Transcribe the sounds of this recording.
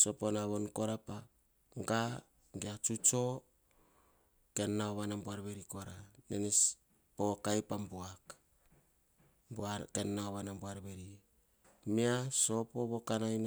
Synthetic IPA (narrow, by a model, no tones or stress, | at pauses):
so̞ponaβonko̞ɾapa | ɡa | ŋɡeat͡ʃut͡ʃo̞ | ke̞nːaoβanambuaɾβe̞ɾikoɾanenes | pokajpambuak | bakenːaoβanambuaɾbeɾi | miaso̞poβokanajn